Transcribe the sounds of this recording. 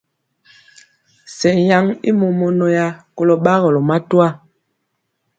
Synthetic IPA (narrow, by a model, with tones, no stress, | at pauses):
sɛ˨ja˦ŋḭ˦mo˨mɔ˨no˨ja˦ko˨lɔ˨ɓa˦ɣɔ˨lɔ˨ma˦twa˦˨